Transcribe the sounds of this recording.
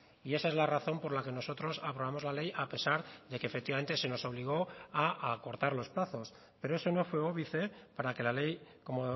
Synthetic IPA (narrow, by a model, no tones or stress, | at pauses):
ie̞saezlaraθo̞mpo̞ɾlake̞no̞so̞t̪ɾo̞sapɾo̞βamo̞zlale̞jape̞saɾðe̞kefe̞k̚t̪iβame̞nt̪e̞se̞no̞so̞β̞liɣ̞o̞aako̞ɾt̪aɾlo̞splaθo̞s | pe̞ɾo̞e̞so̞no̞fwe̞o̞βiθe̞paɾake̞lale̞jko̞mo